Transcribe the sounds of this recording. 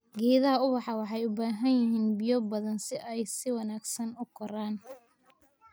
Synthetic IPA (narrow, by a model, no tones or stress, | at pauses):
ɡɛːðɐɦɐʊβɑħɑwɑħɑjʊbaːɦɐnjɪɦiːnbɪjɔbɐðɐnsɪʔɛjsɪwɑnaːɡsɐnʊkʰɔɾaːn